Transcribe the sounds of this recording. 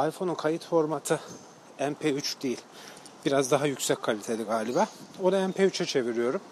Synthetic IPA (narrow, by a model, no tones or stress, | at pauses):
ajfo̞nunkʰajit̪fo̞ɾmat̪ʰɯ | ænpʰeyt͡ʃd̪ejilʲ | biɾazd̪aɦajycsɛc̚ʲkʰalʲit̪ʰe̞lʲiɡaːlʲibaːo̞naæmpʰeyt͡ʃʰɛt͡ʃʰe̞viɾijo̞ɾum